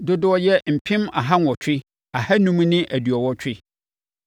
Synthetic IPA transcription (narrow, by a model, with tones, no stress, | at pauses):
dʊ˦dʊ˦ɔ˦jɛ˦m̩˨pʰɪ̃˦ma̰˨ɦa˦n˨ɔ˨t͡ɕᶣʰɪ˦ | a˨ha˦nũ˦m̃˦nɪ̃˦ʔæ˨dɥɔ˨wɔ˦t͡ɕᶣɪ˦